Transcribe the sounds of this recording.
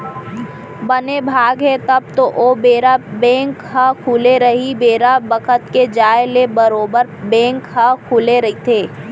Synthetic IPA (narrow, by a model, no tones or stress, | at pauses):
bɐnebʱaːɡɦɛt̪ɐb̚t̪oʔoːbeːɾabɛ̃ːŋkɦəkʰuːleɾɐɦibeːɾabəkʰət̪ked͡ʒaːelebəɾoːbəɾbɛ̃ːŋkɦəkʰuːleɾɐɦit̪ʰeː